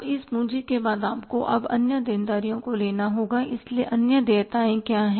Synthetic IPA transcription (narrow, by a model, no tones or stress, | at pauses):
ɪsmũːd͡ʒikebaːd̪aːpkoʔɐ̰bɐ̰njəd̪eːnd̪aːɾijõkoleːnaɦoːɡaɪslieʔɐnjəd̪eːt̪aːẽkjaːɦɛː